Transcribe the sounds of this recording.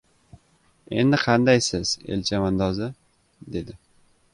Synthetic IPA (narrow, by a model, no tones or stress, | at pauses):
e̞̰nd̪ɪqʰɑnd̪ajsɪz̥ḛlʲt͡ʃʰamand̪ɒzɪ | d̪e̞d̪ɪ